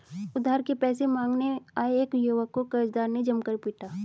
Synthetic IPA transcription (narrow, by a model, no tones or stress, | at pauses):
ʊd̪ʱaːɾkepɛːsemãːŋɡneaːeːkjuːʋəkːokəɾd͡ʒd̪aːɾned͡ʒɐmkəɾpiːʈaː